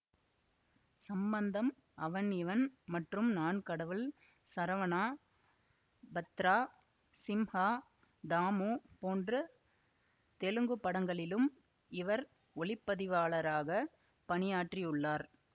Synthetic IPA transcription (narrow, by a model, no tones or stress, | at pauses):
sɐmbɐnd̪ɐm | ɐʋɐnɪʋɐnmɐʈrɯmnaːnkɐɽɐʋɯl | sɐɾɐʋɐnaː | bɐt̪ɾaː | sɪmhaː | d̪aːmoːpoːndrɯ | t̪ɛlɯŋɡɯpːɐɽɐŋɡɐɭɪlɯm | ɪʋɐɾ | ɔɭɪpːɐðɪʋaːɭɐɾaːɣɐ | pɐɳɪjaːʈriɯɭːaːɾ